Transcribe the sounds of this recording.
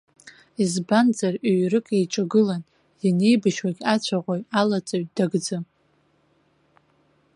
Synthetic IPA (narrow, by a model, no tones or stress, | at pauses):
izband͡zariɥrɨkʼejʈ͡ʂʼaɡɨlan | jane̞jbaʃwaɡʲat͡ɕʷʰaʁʷojalat͡sʼaɥt̚ʼd̥aɡd͡zɨm